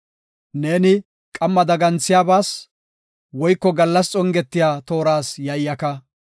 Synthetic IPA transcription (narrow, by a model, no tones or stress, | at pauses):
ne̞ːnɪ | kʼɐmːɐd̪ɐɡɐnt͡sːɪjaːbaːs | wɔjkːɔɡɐlːɐst͡sʼɔŋɡɛt̪ːɪjaːt̪o̞ːɾaːsjɐjːɐkɐ